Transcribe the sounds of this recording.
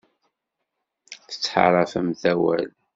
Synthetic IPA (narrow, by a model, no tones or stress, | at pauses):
θə̥t͡sːħa̰ɾˤɑfəmθæwæ̰l